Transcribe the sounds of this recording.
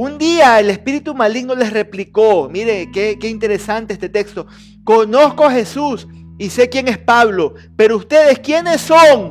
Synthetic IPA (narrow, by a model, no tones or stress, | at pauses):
und̪iaele̞spiɾit̪umaliɡnole̞sre̞pliko̞miɾekekeint̪e̞ɾe̞sant̪eest̪e̞t̪ekst̪o̞ | ko̞no̞skoaxe̞sus | ise̞kjeŋespaβlo̞ | pe̞ɾoust̪e̞ðe̞skje̞ne̞sːoŋ